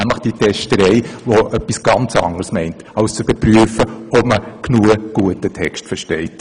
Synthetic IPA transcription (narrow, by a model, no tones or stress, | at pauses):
æmləχd̥itʰɛʃtəɾɛɪʋoʔœpːisɡ̥ɑnt͡sɑ̰ŋəɾsmɛɪnt | ɑʊst͡sb̥əpryəfəɔpməknuəɡ̥uətətʰɛkʃtfəɾʃtɛɪt